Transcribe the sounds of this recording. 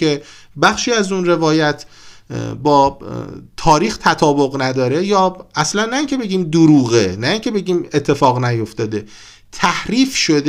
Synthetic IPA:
e | bæxʃiːæzunre̞vɒːjæt̪ʰ | bɒːt̪ʰɒːɾiːxt̪ʰæt̪ʰɒːbo̞ɣnæd̪ɒːɾe̞jɒːæslænːæiŋcʲʰe̞be̞ɡiːmd̪oɾuːɣenæiːŋcʰe̞be̞ɟʲiːme̞t̪ʰːe̞fɒːɣnæjo̞ft̪ɒːd̪e̞ | t̪ʰæhɾiːfʃo̞d̪

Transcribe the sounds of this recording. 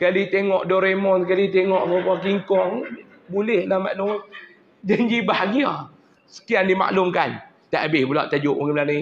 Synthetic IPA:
kalit̪eŋɔʔdɔɾemɔnkalit̪eŋɔʔbapakiŋkɔŋ | bulɛhlama̰ʔnɔ | d͡ʒand͡ʒibahɡia | sə̥kiandima̰ʔlʊmkan | t̪aʔabɪhbula̰ʔt̪ad͡ʒʊʔuŋimlani

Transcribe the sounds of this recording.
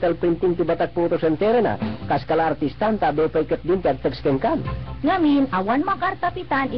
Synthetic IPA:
t̪ɛlpɾint̪iŋt̪ibat̪ak̚puut̪osɛnt̪ɛɾena̰kaskalaːrt̪ist̪ant̪abɛpaikət̪̚dint̪iaɡ̚t̪əkskəŋkanŋaminawanmakart̪apit̪ani

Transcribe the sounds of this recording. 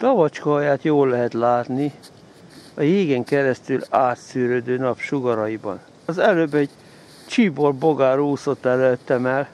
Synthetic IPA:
t̪ɒvɒt͡ʃkɒɦɒjaːt̪joːlːɛɦɛt̪laːt̪ni | ɒjeːɡɛŋkɛɾɛst̪ylaːt̪syːɾød̪øːnɒpʃuɡɒɾɒjibɒ̰n | ɒzɛløbɛɟ | t͡ʃibo̞rbo̞ɡaːɾuːso̞t̪ːɛløt̪ːɛmɛl

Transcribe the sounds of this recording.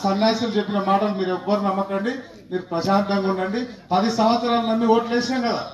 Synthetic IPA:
sɐnːaːjsɐlut͡ʃepːinɐmaːʈɐlumiːɾɛʋːɐɾunɐmːɐkɐɳɖi | miːɾupɾɐd͡ʒaːnt̪ɐŋɡɐnlɐɳɖipɐd̪isɐmʋɐt̪sɐɾaːlɐnɐmːiʋoːʈlɛːsaːmkɐd̪a̰ː

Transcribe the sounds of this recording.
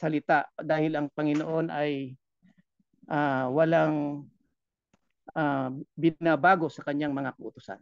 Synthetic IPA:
sɐlɪt̪aʔd̪aːhɪlɐŋpɐŋɪnoʔo̞nʔɐj | ʔawɐlaŋ | abɪnabaːɡo̞sɐkɐɲːaŋmɐŋakɐʔʊt̪ʊsa̰n

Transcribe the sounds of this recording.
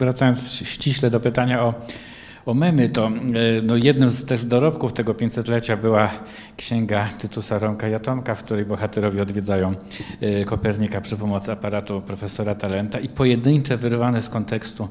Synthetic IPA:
vɾat̪sajɔnt̪sɕt͡ɕiɕlɛd̪ɔpɘt̪aɲaɔ | ɔmɛmɘt̪ɔnɔjɛd̪nɘmzt̪ɛʐd̪ɔɾɔpkuft̪ɛɡɔpʲjeɲt͡ɕʲsɛt̪lɛt͡ɕabɘwa | kɕɛŋɡat̪ɘt̪usaɾɔmkajat̪ɔmkafk̚t̪uɾɛjbɔxat̪ɛɾɔvʲiɔd̪vʲjɛd̪zajɔ̃w̃ | kɔpɛɾɲikapʂɘpɔmɔt̪sɘapaɾat̪upɾɔfɛsɔɾat̪alɛnt̪aipɔjɛd̪ɘɲt͡ʂɛvɘɾvanɛskɔnt̪ɛkst̪u

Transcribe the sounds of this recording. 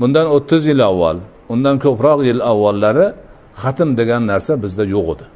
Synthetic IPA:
bʊnd̪anot̪ʰːɪzjɪlawːa̰l | ʊnd̪ankʰʲɵpɾɒqjɪlawːalːaɾɪ | χɑt̪ʰɪmd̪eɡʲanːaɾsabɪzd̪ajoqod̪ɪ

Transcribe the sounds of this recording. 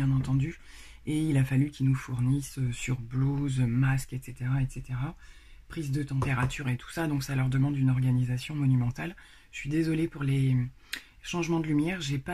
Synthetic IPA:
jɛ̃nɑ̃t̪ɑ̃d̪y | eilafalykʲilnufuʁnisøsyʁbluzmaskɛt̪set̪eʁaɛt̪set̪eʁa | pχizd̪ət̪ɑ̃peʁat̪yʁet̪ʰu̥sad̪ɔ̃ksalœʁd̪əmɑ̃d̪ynɔʁɡanizasjɔ̃mɔnymɑ̃t̪al | ə̥sɥid̪ezɔlepuʁle | ʃɑ̃ʒmɑ̃d̪əlymjɛʁʒepa

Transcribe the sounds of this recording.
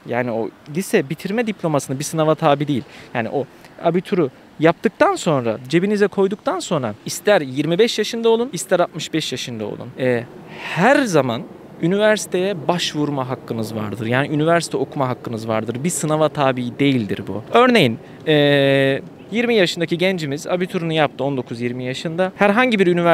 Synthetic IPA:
jaːnio̞lʲisɛbit̪ʰiɾmɛd̪iplʲo̞masɯnabisɯnavat̪ʰaːbid̪ejilʲjaːnḭʔo̞a̰bit̪ʰuɾu | jap̚t̪ɯk̚t̪ʰanso̞nɾa̰d͡ʒe̞binizɛkʰo̞jd̪uk̚t̪ʰanso̞nɾaist̪ʰæɾjiɾmibɛʃjaʃɯnd̪aolˠunist̪ʰæɾat̪̚mɯʃbɛʃjaʃɯnd̪ao̰lˠṵnɛːhæɾzaman | ynivæɾsi̥t̪ʰe̞jɛbaʃvuɾmaɦakːɯnɯzva̰ɾd̪ɯɾjaːniynivæɾsi̥t̪ʰɛo̞kʰumaɦakːɯnɯzva̰ɾd̪ɯɾbisɯnavat̪ʰaːbiid̪e̞jilʲd̪ḭɾbṵø̞ɾne̞jin | ɛː | jiɾmijaʃɯnd̪aciɟɛnd͡ʒimiza̰bit̪ʰuɾunujap̚t̪ʰɯo̞nd̪o̞kʰuzjiɾmijaʃɯnd̪ahæɾɦaɲɟibiɾynivæ

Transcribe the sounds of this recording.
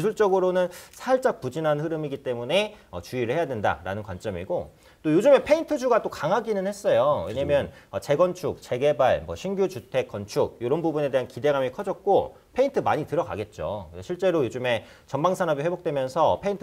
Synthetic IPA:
isʰuɭt͡ɕ͈ʌɡɯɾonɯnsʰaɭt͡ɕ͈ak̚p͈ud͡ʑinɦanɸɯɾɯmiɡit͈e̞mune̞ʌt͡ɕuiɾɯɭhe̞jadwenda̰ɾa̰nɯnkwant͡ɕ͈ʌmḭɡo | t͈ojod͡ʑɯme̞pʰe̞intʰɯd͡ʑuɡat͈okaŋɦaɡinɯnhe̞s͈ʌjoweɲamjʌnʌt͡ɕe̞ɡʌnt͡ɕʰuk̚t͡ɕe̞ɡe̞baɭmwʌɕʰinɡjut͡ɕutʰe̞k͈ːʌnt͡ɕʰuk̚joɾʌnbubune̞deɦankide̞ɡamikʰʌd͡ʑʌk̚k͈o | pʰe̞intʰɯmaɲitɯɾʌɡa̰ɡe̞t̚t͡ɕ͈o̰ɕʰiɭt͡ɕ͈e̞ɾojod͡ʑume̞ | t͡ɕʌnbaŋsʰanʌbiɸwebok̚t͈we̞mjʌnsʰʌpʰe̞intʰ

